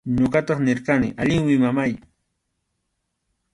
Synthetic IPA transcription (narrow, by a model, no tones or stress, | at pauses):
ɲoɢɑt̪ɑχnɪɾkanɪ̰ʔaʎɪŋwɪmamaj